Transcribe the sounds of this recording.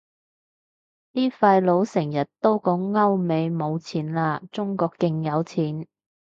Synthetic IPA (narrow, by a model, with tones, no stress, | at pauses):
niː˥faː˧jlo˨˧˥wsɪ˨˩ŋjɐ˨t̚t̪o˥wkɔː˨˥ŋŋɐ˥wme˨˧jmo˨˧wt͡sʰiː˨˥nlaː˧t͡sʊ˥ŋkɔː˧kːɪ˧ŋjɐ˨˧wt͡sʰiː˨˥n